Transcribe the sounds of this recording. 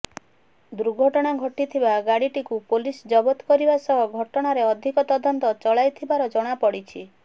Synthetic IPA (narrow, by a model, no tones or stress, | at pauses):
d̪uɾɡʱɔʈɔɽ̃aɡʱɔʈit̪ʰibaɡaɽiʈikupolisd͡ʒɔbɔt̪kɔɾibasɔɦɔɡʱɔʈɔɽ̃aɾeɔd̪ʱikɔt̪ɔd̪ɔnt̪ɔt͡ʃɔɭajt̪ʰibaɾɔd͡ʒɔɽ̃apɔɽit͡ʃʰi